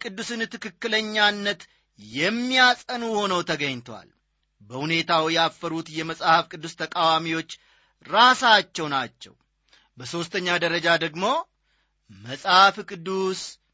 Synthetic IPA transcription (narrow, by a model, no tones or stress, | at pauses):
kʼɨd̪ːusɨnt̪ʰɨkɨkːɨləɲːanːət̪ | jɛmːijasʼənuho̞nəwt̪ʰəɡəɲt̪ʰwa̰l | bəhune̞t̪ʰawjɛafːəɾut̪jɛməsʼhafkʼɨd̪ːust̪ʰəkʼawamiwo̞t͡ʃː | ɾasat͡ʃːɛwnat͡ʃːɛ̰w | bəso̞st̪ʰəɲːad̪əɾəd͡ʒad̪əɡmo̞ | məsʼhafkʼɨd̪ːus